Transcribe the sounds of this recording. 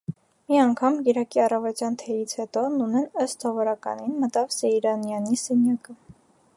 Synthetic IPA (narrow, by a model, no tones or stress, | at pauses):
miɑŋkʰɑmɡɛɾɑkiɑrɑvɔt̪jɑnt̪ʰɛjit͡sʰhɛt̪ɔnunɛnəst̪ʰɔvɔɾɑkɑ̰ninmət̪ɑvsɛiɾɑnjɑnisɛnjɑkə